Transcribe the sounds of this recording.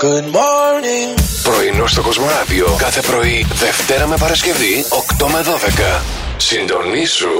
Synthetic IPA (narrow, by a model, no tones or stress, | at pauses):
ɡ̥udmɔɾniŋpɾo̞ino̞st̪o̞ɡo̞zmo̞ɐðio̞kɐθe̞pɾo̞iðe̞ft̪e̞ɾɐme̞pɐɾɐsce̞vio̞kt̪o̞meðo̞ðe̞kɐ | sind̪o̞nisu